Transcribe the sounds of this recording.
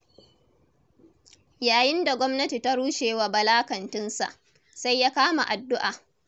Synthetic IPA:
jaː˨jɪ˦nda˨ɡʷɔ˦mnɐ˦ti˨ta˦ɽuː˦ʃeː˨wa˨bɐ˨laː˦kɐ˨ntɪ˦nsa̰˨ʔ | sa˦jːaː˦kaː˦ma̰˨ʔa˨dːʊ˦ʔaː˨

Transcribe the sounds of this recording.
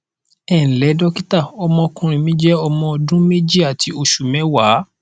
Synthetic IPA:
ɛ˨n̩˨lɛ˨˦dɔ˦ki˦ta˦˨ɔ˧mɔ̃˧kũ˧ɾ̃ĩ˧mĩ˦d͡ʒɛ˦ɔ˧mɔ̃˧dũ˦me˦d͡ʒi˦a˨tʰi˨˧o˧ʃu˨mɛ̃˨˦wa˨˦

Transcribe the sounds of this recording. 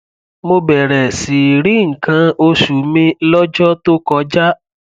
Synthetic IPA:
mo˧bɛ˨ɾɛ˨si˨ɾi˨˦ŋ̩˨kã˧o˧ʃu˨mĩ˦lɔ˦d͡ʒɔ˦to˦kɔ˧˦d͡ʒa˦

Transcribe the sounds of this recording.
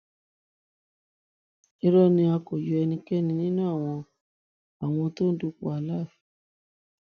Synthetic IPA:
i˧ɾɔ˦nĩ˧a˧ko˨jo˧ɛ˧nĩ˧kɛ˦nĩ˧nĩ˦nãː˦˨w̃ɔ̃˧ | a˨w̃ɔ̃˧to˦n̩˦du˧k͡pu˧a˨la˦˨fi̥˨

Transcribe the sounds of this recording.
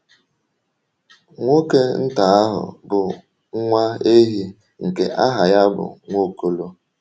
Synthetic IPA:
ŋʷo˦ke˦n̩˦ta˨˦a˦ɦʊ̰˨bʊ˨ | ŋ̩˦ŋʷa˦e˦ɦi˦ | ŋ̩˨kḛ˨ʔa˦ɦa˨ja˦bʊ̰˨ŋʷo˦ko˦lo˦

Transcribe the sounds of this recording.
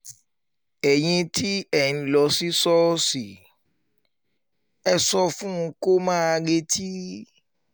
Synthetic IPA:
ɛ˨ɲ̃ĩ˧tʰi˦ɛ˨nĩ˨lɔ˨si˦sɔ˦si˨ | ɛ˦sɔ˦fũ˦˧˦ko˦mãː˦˨ɡe˦tʰi˦

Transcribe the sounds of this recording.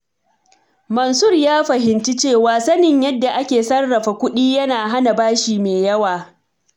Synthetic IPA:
mɐ˨nsʊ˦˨rjaː˦ɸɐ˨ɦɪ˨nt͡ʃi˦t͡ʃeː˦˨waː˨sɐ˦nɪ˨ɲjɐ˦dːa˨ʔa˦kʲeː˨sɐ˦rːɐ˨ɸa˨kʷʊ˦ɗiː˦jɐ˦naː˨ɦa˦na˨baː˦ʃiː˨meː˨jɐ˦waː˨

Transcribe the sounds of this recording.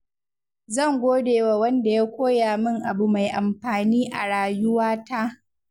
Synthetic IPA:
zɐ˦˨ŋɡʷoː˦deː˨wa˨wɐ˦nda˨ja˦kʷoː˦jaː˨mɪ˦ŋʔa˨bu˨ma˨jʔa˨mɸaː˨niː˦ʔa̰˨ɽaː˨jʊ˦waː˦ta˦ʔ

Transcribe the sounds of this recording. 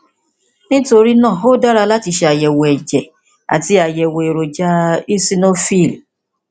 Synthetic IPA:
nĩ˦to˧ɾi˦nã˦˨ɦo˦da˦ɾa˧la˦ti˧ʃe˧a˨jɛ˨wo˨ɛ˨d͡ʒɛ˨ | a̰˨ti˦a˨jɛ˨wo˨e˨ɾo˨d͡ʒa˦i˦si˦no˦fi˦˨l

